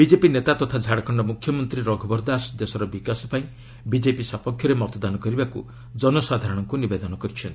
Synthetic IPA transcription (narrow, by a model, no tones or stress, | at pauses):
bid͡ʒepinet̪at̪ɔt̪ʰad͡ʒʱaɽɔkʰɔɳɖɔmukʰjɔmɔnt̪ɾiɾɔɡʱɔbɔɾd̪asd̪esɔɾɔbikasɔ̥paĩ | bid͡ʒepisɔpɔkʰjɔɾemɔt̪ɔd̪anɔkɔɾibakṵ | d͡ʒɔnɔsad̪ʱaɾɔɽ̃ɔŋkunibed̪ɔnɔkɔɾit͡ʃʰɔnt̪i